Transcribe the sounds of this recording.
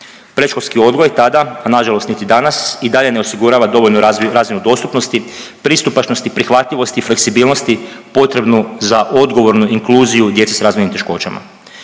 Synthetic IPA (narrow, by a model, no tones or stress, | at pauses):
pɾeʃkolʲskio̞d̪ɡojt̪ad̪aanaʒalost̪nit̪id̪anasid̪aʎe̞ne̞osiɡuɾaːʋad̪o̞ʋoʎnuɾaːzʋinud̪o̞st̪upno̞st̪i | pɾist̪upat͡ʃno̞st̪ipɾixʋat̪ʎiʋo̞st̪iːfle̞ksibiːlˠno̞st̪ipo̞t̪ɾe̞bnuzaʔo̞d̪ɡo̞ʋo̞ɾnuiŋkluːzijud̪je̞t̪sesaɾaːzʋojnimt̪e̞ʃko̞ːt͡ʃa̰ma̰